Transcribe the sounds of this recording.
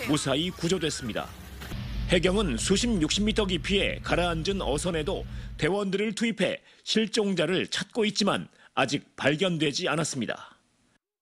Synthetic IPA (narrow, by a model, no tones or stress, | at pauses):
mosʰaikud͡ʑodwe̞s͈ɯmɲida̰ | he̞ɡjʌŋɯnsʰuɕʰimjuk̚ɕ͈imːitʰʌɡipʰie̞̰kaɾaːnd͡ʑɯnʌsʰʌne̞dote̞wʌndɯɾɯɭtʰuipʰe̞̰ | ɕʰiɭt͡ɕ͈oŋd͡ʑaɾɯɭt͡ɕʰat̚k͈oit̚t͡ɕ͈ima̰nad͡ʑik̚paɭɡʲjʌndwe̞d͡ʑianas͈ɯmɲida̰